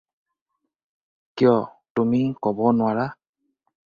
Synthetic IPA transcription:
kijɔ | tumikɔbɔnʊwaɹa

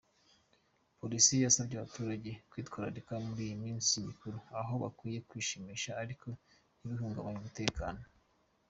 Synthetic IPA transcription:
po̞ɾisijasabɟaβatuːɾaɟe̞kwiːtkwaːɾaɾikamuɾiːjimiːnsiɲikuɾuaɦo̞βa̰kwiːje̞kwiːʃimiːʃaːɾikʰo̞ | niβiɦuːŋɡaβaɲumute̞ːka̰ːno̞

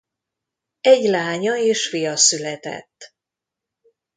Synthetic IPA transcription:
ɛɟlaːɲɒeːʃfijɒsylɛt̪ɛ̰t̪ː

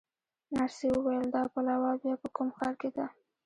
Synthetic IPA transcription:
naɾsewəwajəld̪ɑpalɑwɑbjɑpəkumxɑɾked̪a

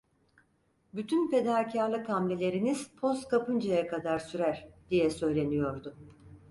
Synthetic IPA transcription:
byt̪ʰynpe̞d̪aːcʰaɾlˠɯkʰamlʲelʲe̞ɾiniz̥pʰo̞skʰapɯnd͡ʒajakʰad̪aɾsyɾæɾ̥d̪̥ijɛsø̞jlʲe̞nijo̞ɾd̪ʊ

